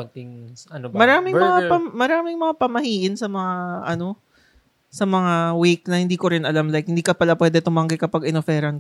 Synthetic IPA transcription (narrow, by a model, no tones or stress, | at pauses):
ɐɡ̚t̪ɪŋɐnomɐɾaːmɪŋmɐŋapɐmɐɾaːmɪŋmɐŋapɐmɐhiːʔɪnsɐmɐŋaʔɐno̞ | sɐmɐŋawejk̚nɐhɪnd̪iːko̞ɾɪnʔɐlamlajk̚hɪnd̪iːkɐpɐlapwɛːd̪ɛt̪ʊmɐŋɡɐjkɐpɐɡɪnofɛɾɐn